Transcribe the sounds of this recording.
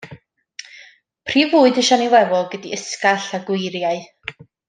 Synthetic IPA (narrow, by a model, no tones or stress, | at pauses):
pʰr̥iːvuːɨdɪʃɔniwɛvɔlˠɡədiəskaɬaɡwɪjɾjaɨ